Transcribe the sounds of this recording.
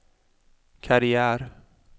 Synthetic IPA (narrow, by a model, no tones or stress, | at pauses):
kʰaɾɪæːɾ